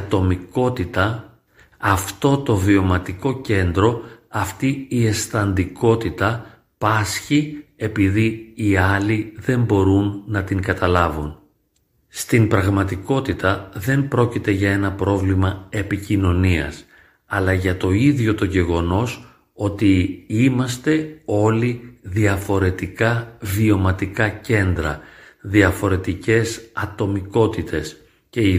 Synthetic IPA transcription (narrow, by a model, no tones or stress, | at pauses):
ɐt̪o̞miko̞t̪it̪ɐː | ft̪o̞t̪o̞vio̞mɐt̪iko̞ce̞nd̪ɾo̞ɐft̪iie̞sθɐnd̪iko̞t̪it̪ɐ | pɐsçie̞piðiːɐliðe̞mbo̞ɾunːɐt̪iŋɡɐt̪ɐlɐvun | st̪impɾɐɣmɐt̪iko̞t̪it̪ɐðe̞mpɾo̞cit̪e̞ʝɐe̞nɐpɾo̞vlimɐe̞picino̞niɐ̰s | ɐlɐʝɐt̪o̞iðʝo̞t̪o̞ʝe̞ɣo̞no̞s | o̞t̪iimɐst̪e̞o̞liðiɐfo̞ɾe̞t̪ikɐvio̞mɐt̪ikɐce̞nd̪ɾɐ̰ðiɐfo̞ɾe̞t̪ice̞sɐt̪o̞miko̞t̪it̪ʰe̞s | ce̞i